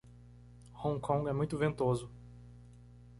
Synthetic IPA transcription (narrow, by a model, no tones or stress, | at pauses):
hõŋkʰõŋɡɛmũj̃t̪ʊvẽnt̪ozʊ